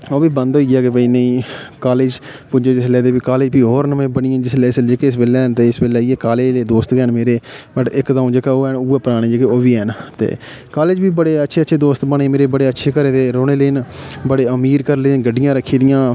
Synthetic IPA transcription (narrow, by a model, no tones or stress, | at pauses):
oːbiːbə̃nd̪ɦoːiːɛːkebəiːnəĩːkaːleːd͡ʒ | pʊd͡ʒeːd͡ʒɪslɛːd̪eːbiːkaːleːd͡ʒbiːɦoːɾnəmẽːbəɳɪãːd͡ʒɪsleːsd͡ʒeːkeːɪs̬beːlɛːnt̪eːɪsbeːlːieːkaːleːleːd̪oːst̪kɛːnmeːɾeːbəʈɪkd̪ãːũːd͡ʒeːkaːoːɛːnʊeːpəɾaːɽ̃ẽːd͡ʒeːkeoːbiːɛːnt̪ḛːkaːleːd͡ʒbiːbəɽeːətːʃʰeːətːʃʰeːd̪oːst̪bəɳeːmeːɾeːbəɽeːətːʃʰeːkəɾẽːd̪eːɾoːɽeːləːnbəɽeːəmiːɾkəɾlenɡəɖːɪjãːɾəkʰːiːd̪ɪjãː